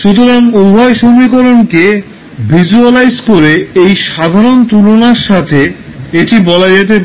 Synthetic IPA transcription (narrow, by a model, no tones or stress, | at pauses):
ʃut̪oɾaŋubʱɔeʃomikoɾonke | bʱid͡ʑualajzkoɾeejʃad̪ʱaɾont̪ulonaɾʃat̪ʰeeʈibɔlad͡ʑet̪̬ep